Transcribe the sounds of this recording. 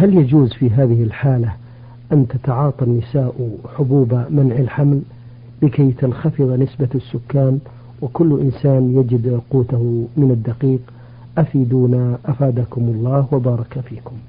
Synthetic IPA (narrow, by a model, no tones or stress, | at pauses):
haljad͡ʒuːzfiːɦaːðɪhɪlħaːla | ʔant̪at̪ɑʕɑːt̪ˤɑnːɪsaːʔħʊbuːbamanʕɪlħaml | bɪkajt̪anxɑfɨðˤnɪsbasːʊkːaːn | wɪkʊlːʔɪnsaːnjad͡ʒɪd̪quːt̪ahʊmɪnad̪ːɑqiːq | ʔafiːd̪uːnaʔafaːd̪akʊmʊlˤːɑːhwabɑːɾˤɑkafiːkʊm